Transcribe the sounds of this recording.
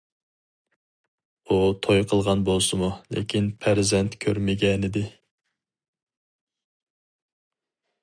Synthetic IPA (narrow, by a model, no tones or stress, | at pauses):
ut̪ʰojqʰəlˠʁɑnbolˠsɨmulɪ̰kʲʰinpʰæɾzɛnt̪kʲʰøɾmɪɡʲɛnɪd̪ɪ